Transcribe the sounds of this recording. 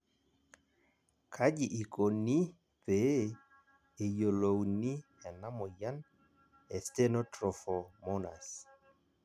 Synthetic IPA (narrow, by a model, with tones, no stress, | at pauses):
kʰa˦d͡ʒɪ˨ʔi˨ko˨ni˦ | pe˨˦ | e˨jo˨lo˨wni˦ | ɛ˨na˦mɔ˨ja˦n | ɛ˨ste˦nɔ˦tɾɔ˨fɔ˨mɔ˦na̰˨s